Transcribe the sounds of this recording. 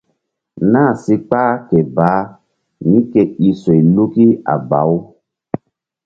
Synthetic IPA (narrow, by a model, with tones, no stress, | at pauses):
na˦˨si˦k͡paː˦kɛ˨ba˨˦ | nĩ˦kɛ˨i˨so˨i˨lu˦ki˦a̰˨ba̰˨˦w